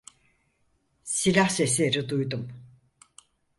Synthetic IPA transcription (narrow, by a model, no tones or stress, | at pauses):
silʲahsesʲeɾid̪ujd̪um